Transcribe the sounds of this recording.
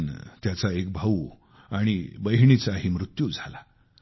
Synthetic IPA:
nt̪jat͡saekbʱau | aɽ̃ibəjɳit͡saɦimɾut̪jud͡zʱala

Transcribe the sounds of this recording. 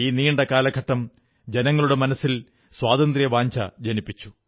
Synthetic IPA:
iːniːɳɖekaːlɐɡʰʱɐʈːɐm | d͡ʑenɐŋːɐɭuɽe̞mɐnɐsːil | swaːðɐnd̪rijɐʋaːɲd͡ʑɐ̰d͡ʑɐnipːit͡ɕːu̥

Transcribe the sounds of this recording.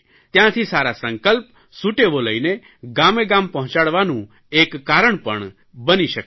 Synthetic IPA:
t̪jãt̪ʰisaɾasə̃ŋkəlp | suʈeʋoləine | ɡameɡampəɦʊ̃t͡ʃaɽʋanũ | ekːaɾəɳpəɳ | bəniʃək

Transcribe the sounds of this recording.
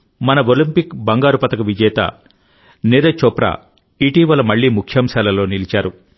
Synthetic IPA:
mɐnɐolimpikbɐŋɡaːɾupɐt̪ɐkɐʋid͡ʒɛːt̪ɐ̰ | neɾɐt͡ʃɔpɾɐ̰ | iʈiːʋɐlɐmɐɭːiːmukʰjɐmsaːlɐlo̞ːnilit͡ʃaːɾu

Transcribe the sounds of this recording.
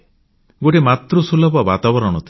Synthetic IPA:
ɡoʈemat̪ɾusulɔbɔbat̪abɔɾɔɽ̃ɔt̪ʰi

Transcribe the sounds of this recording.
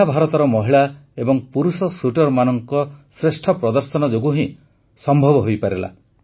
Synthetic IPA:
abʱaɾɔt̪ɔɾɔmɔɦiɭaebɔŋpuɾusɔsuʈɔɾmanɔŋkɔsɾesʈʰɔpɾɔd̪ɔɾsɔnɔd͡ʒoɡuɦĩ | sɔmbʱɔbɔɦojpaɾela̰

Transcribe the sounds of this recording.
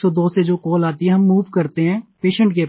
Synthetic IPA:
sɔːd̪oːsed͡ʒoːkoːlaːt̪iɦɛ̃ɦɐmːuːʋkɐɾt̪eɦɛ̃ːpeːʃə̃ɳʈke

